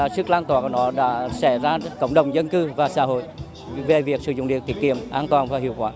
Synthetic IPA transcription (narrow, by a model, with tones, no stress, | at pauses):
a˨˩sɨ˦˥k̚laː˧nt̪waː˧˩ku˧˩nɔ˨˦ɗa̰ː˧˥sɛ˧˩zaː˧kə̰˧˨ŋ͡mɗə˨˩wŋ͡mzə˧nkɨ˧vaː˨˩sa̰ː˧˥hɦo̰˧˨j | ve˨˩vi˨˩ək̚sɨ̰˧˩zʊ̰˨˧˨ŋ͡mɗi˨˩ət̪i˨˧˩t̚ki˧˨əmʔaː˧nt̪waː˨˩nvaː˨˩hḭ˧˨əwkwaː˧˩